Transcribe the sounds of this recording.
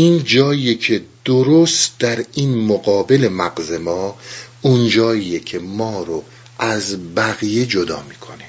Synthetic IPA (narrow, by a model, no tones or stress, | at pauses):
iːnd͡ʒɒːijecʰe̞d̪̥oɾost̪d̪̥æɾiːnmoɣɒːbe̞lemæɡzemɒːund͡ʒɒːiːjecʰe̞mɒːɾo | ʔæzbæɣijed͡ʒod̪ɒ̰ːmiːkʰone